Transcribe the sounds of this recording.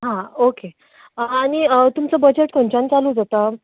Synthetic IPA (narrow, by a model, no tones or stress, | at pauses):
ɦãoke | aɽ̃iət̪umt͡səbəd͡ʑeʈkʰəɲt͡ɕãnt͡saluːd͡zat̪a